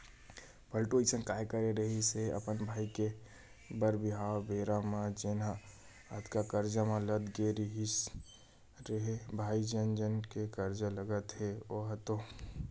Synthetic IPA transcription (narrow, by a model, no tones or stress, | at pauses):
pʰəlʈoisənkaːjkəɾeɾəɦiseə̰pənbʱaːike | bəɾbɪɦawbeːɾamãd͡ʒena | ət̪kakəɾd͡ʒamãləd̪ɡeɾiɦis | ɾəɦebʱaːid͡ʒənd͡ʒənkekəɾd͡ʒaləɡət̪ɦeoɦət̪o